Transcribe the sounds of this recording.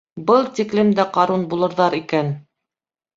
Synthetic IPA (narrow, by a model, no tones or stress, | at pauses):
bɤlˠt̪ʲiklɘmd̪æqɑɾunbulˠɤ̆ɾðɑɾikæn